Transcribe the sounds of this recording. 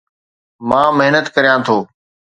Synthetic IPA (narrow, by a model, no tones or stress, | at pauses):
mãːməɦnət̪kəɾjãːt̪ʰoː